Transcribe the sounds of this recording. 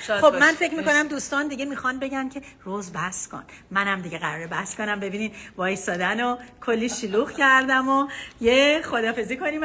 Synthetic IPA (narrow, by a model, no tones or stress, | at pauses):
xobmænfe̞cɾmiko̞næmd̪uːst̪ɒːnd̪iɡɟe̞mixɒnbe̞ɟæncʰe̞ | rozbæskʰo̰n | mænæmd̪iɟeɣæɾɒːɾebæhskʰo̞næmbe̞biːniːd̪vɒːjsɒːd̪ænokʰolːiʃiluɣcʰæɾd̪æmojeχod̪ɒːfe̞ziːkʰo̞niːm